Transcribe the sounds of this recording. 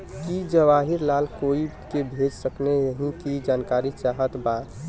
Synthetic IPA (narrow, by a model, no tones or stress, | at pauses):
kid͡ʒəʋaɦɪɾlaːlkoːi | kebʱeːd͡ʒsəkneəɦĩkid͡ʒaːnkaːɾit͡ʃaːɦət̪baːt̪